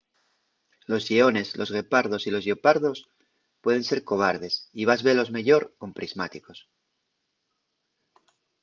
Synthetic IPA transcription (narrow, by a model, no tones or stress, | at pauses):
lo̞zʎio̞ne̞zlʔo̞zɣe̞paɾðo̞silo̞zʝopaɾðo̞s | pwe̞ð̞e̞nse̞ɾko̞β̞aɾð̞e̞siβ̞azβe̞lo̞zme̞ʝo̞ɾko̞mpɾizmat̪iko̞s